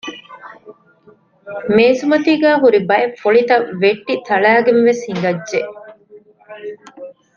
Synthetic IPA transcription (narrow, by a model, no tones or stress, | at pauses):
meːsumɐt̪iːɡæːɦuɾibɐefoɭit̪ɐʋeʈːit̪ɐɭæːɡenʋeshiŋ̆ɡ̪ɐdʒeʔ